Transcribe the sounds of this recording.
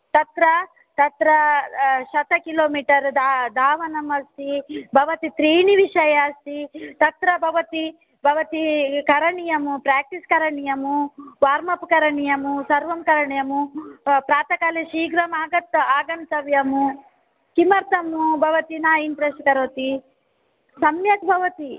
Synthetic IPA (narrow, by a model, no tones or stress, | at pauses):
t̪ɐt̪ɾɐ | t̪ɐt̪ɾɐʃɐt̪ɐkiloːmiːʈɐɾd̪d̪ʱaːʋɐnɐmɐst̪ibʱɐʋɐt̪it̪ɾiːɳiʋiʂɐjaːst̪it̪ɐt̪ɾɐbʱɐʋɐt̪i | bʱɐʋɐt̪ikɐɾɐɳijɐmupɾaːk̚ʈiskɐɾɐɳijɐmuʋaːɾmɐpukɐɾɐɳijɐmusɐɾʋɐmkɐɾɐɳijɐmupɾaːt̪ɐkaːliʃiːɡɾɐmaːɡɐt̪aːɡɐnt̪ɐʋjɐmu | kimɐɾt̪ɐmubʱɐʋɐt̪inaːimpɾeskɐɾot̪i | sɐmjɐt̪bʱɐʋɐt̪i